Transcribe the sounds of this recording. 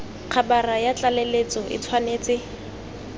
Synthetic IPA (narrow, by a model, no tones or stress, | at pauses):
q͡χʰabarajat͡ɬalelet͡sɔʔɪ̰t͡sʰwaneːt͡sɪ